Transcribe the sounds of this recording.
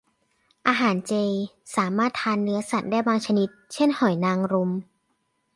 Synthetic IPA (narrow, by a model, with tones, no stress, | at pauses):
ʔaː˧ɦaː˩˦nt͡ɕeː˧j | saː˩˦maː˥˩t̪ʰːaː˧nːɯ˦˥ɐsa˨˩t̪̚daː˥˩jbaː˧ŋt͡ɕʰa˧ni˦˥t̪̚t͡ɕʰe˥˩nhɔ˨˩˦jnaː˧ŋɾu˧m